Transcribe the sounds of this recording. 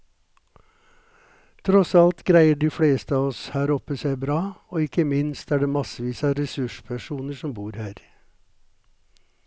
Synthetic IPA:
t̪ʰɾɔsɑlt̪ɡɾæɪəɖiːfɽeːst̪əɑːɔshæːɾɔpəsæɪbɾɑːoːɪkəmɪnst̪æːɖeːmɑsəʋiːsɑːɾɛsʉʃpʰæʃuːnəʃɔmbuːɾhæːɾ

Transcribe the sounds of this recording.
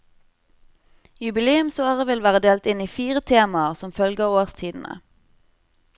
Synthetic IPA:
jʉbɪleːʉmsoːʁəʋɪlʋæːʁəd̪eːlt̪ɪniːfiːʁət̪ʰeːmɑəʁsɔmfœlɡəoːʁst̪ʰiːd̪n̩ə̰

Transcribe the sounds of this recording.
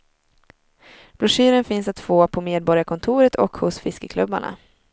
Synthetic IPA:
b̥ɾɵʂyːɾənfɪnsat̪foːpʰɔmeːd̪̚bɔɾjakʰɔnt̪ʰuːɾət̪ʰɔkhʊsfɪskəkʰlɵbːa̰ɳa̰

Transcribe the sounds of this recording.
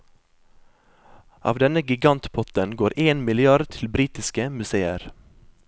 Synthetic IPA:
ʔɑ̰ːʋd̪ɛnəɡɪɡɑnt̪pʰɔt̪ənɡoːɾʔeːnmɪlɪɑɖt̪ʰɪlbɾiːt̪ɪskəmʉseːəɾ

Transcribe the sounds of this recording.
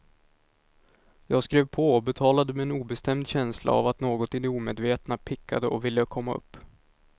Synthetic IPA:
jɑːɡskɾeːvpʰɔɔbɛt̪ʰɑːlad̪əmɛɛnuːbɛst̪ɛmd̪ɕɛnsla̰a̰vat̪noːɡɔt̪ɪd̪ɛuːmeːd̪veːt̪napʰɪkʰːad̪əʔɔvɪlːəkʰɔmːaɵ̰pː

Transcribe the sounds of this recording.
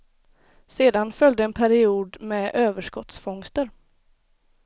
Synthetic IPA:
seːd̪anfœld̪əɛnpʰæɾɪuːd̪mɛʔøːvəʂkɔt̪sfɔŋst̪əɾ

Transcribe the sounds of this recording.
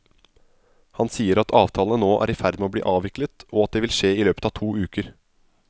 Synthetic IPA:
hɑnsiːəɾɑt̪ʰɑːʋt̪ʰɑːlnənoːʔæ̰ːɾɪfæɾd̪meoːblḭːʔɑːʋɪklət̪ɔɑt̪̚d̪eːʋɪlʂeːɪːløːpə̥t̪ɑːʋt̪ʰuːʉːkəɾ

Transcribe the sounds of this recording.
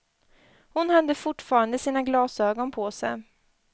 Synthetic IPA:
hʊnhad̪ːəfʊʈfɑːɾand̪əsiːnaɡlɑːsøːɡɔnpʰɔsɛ̰j

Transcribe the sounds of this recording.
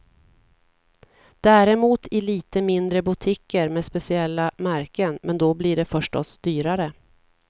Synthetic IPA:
d̪̥æːɾɛmuːt̪ʰɪliːt̪əmɪnd̪ɾəbʊt̪ʰɪkːəɾmeːspɛsɪɛlːamæɾkənmɛnd̪ɔbliɖɛfœʂʈɔsd̪̥yːɾaɾə

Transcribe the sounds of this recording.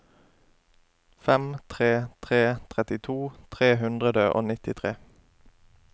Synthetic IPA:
fɛmt̪ʰʁeːt̪ʰʁeːt̪ʰʁɛt̪ɪt̪ʰuːt̪ʰʁeːɦʉnd̪ʁəd̪əʔo̰ːnɪt̪ɪt̪ʰʁeː

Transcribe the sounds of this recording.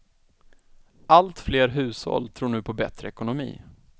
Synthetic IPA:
ʔalt̪fleːɾɦʉ̟ːshɔ̰lt̪ʰɾuːɳʉ̟ːpʰɔbɛt̪ɾəɛkʊnʊmḭː

